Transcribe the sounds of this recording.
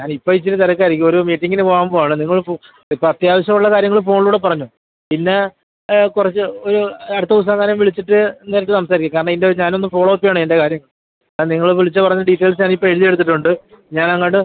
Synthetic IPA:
ɲaːnipːoit͡ɕːitɨt̪ɐɾɐkːɨɐɾikʲːumo̞ɾumiːʈːiŋɡinɨpoːɣamboːaːɳɨniŋːɐɭfo | ipːoɐt̪jaːʋɐɕjɐmuɭːɐkaːɾjɐŋɐɭfo̞ːɳluːɽe̞p̬ɐrɐɲːu | pinːe̞ | kurɐt͡ɕːɨoɾuɐɽɨt̪ːɐus̬aːɣaːnɐmʋiɭit͡ɕːiʈːɨneːɾɐʈːɨsɐmsaːɾikʲːumkaːɾɐɳɐmindeɲaːno̞nːɨfo̞ːɭoːpːijaːɳende̞kaːɾjɐŋːɐɭ | niŋːɐɭʋiɭit͡ɕːɨpɐrɐɲːɐɖiʈːeːls̬ɲaːnipːoeɻuðijeɽut̪ːiʈːuɳɖɨ | ɲaːnɐŋːaʈːɨ

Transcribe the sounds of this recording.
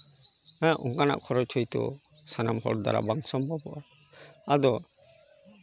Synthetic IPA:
aaʔɔŋkana̰ʔkʰɔɾɔt̪ʰɔjt̪ɔ̰ | sanamhɔ̰ɾd̪a̰ɾa̰baŋsɔmbʱabɔʔa | ad̪ɔ

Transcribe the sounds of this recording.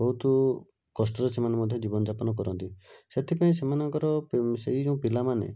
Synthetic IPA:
bɔɦut̪ɔ | kɔs̬ʈɔɾesemanemɔd̪ʱjɔd͡ʒibɔnɔd͡ʒapɔnɔkɔɾɔnt̪iset̪ʰipaĩs̬emanɔŋkɔɾɔseɦid͡ʒeũpilamanḛ

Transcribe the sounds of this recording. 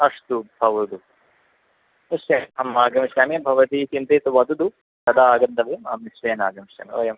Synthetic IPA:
ɐʂt̪ubʱɐʋɐd̪u | niʃɐnɐmaːɡɐmiʃjaːmibʱɐʋɐt̪iːt͡ʃint̪ɐːt̪uʋɐd̪ud̪u | sɐd̪aːɡɐnd̪ɐbʱemaːmniʃʋɐːna̰ːɡɐmiʃa̰ːmḭo̰ːjɐm

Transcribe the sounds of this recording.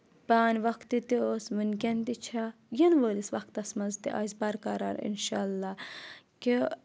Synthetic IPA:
paːnʲʋɐkt̪it̪ioːsmunkʲɛnd̪it͡ʃʰa | jinʋəːlisʋɐk̚t̪ɐsmɐzt̪iʔa̰zbɐɾkɐɾa̰ːnḭnʃa̰ːlːaː | ki

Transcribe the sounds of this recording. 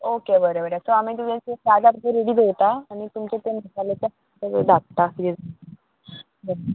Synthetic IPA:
okebəɾebəɾasoamit̪ud͡ʑeesad͡zapeɾeɽiːd̪eʋt̪aːɽ̃it̪umt͡ɕet̪enasalet̪a | d̪ʱak̚t̪akid̪ed͡z | bəɾ

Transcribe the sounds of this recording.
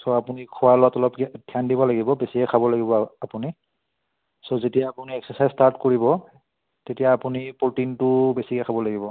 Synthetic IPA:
sɔapunikʰʊwalʊatɔlɔptʰiandibɔlaɡibɔbesikɛkʰabɔlaɡibɔapuni | sɔzetijaːpuniɛksəsajzstaɹtkoɹibɔ | tetijaːpunipultintʊbesikɛkʰabɔlaɡibɔ

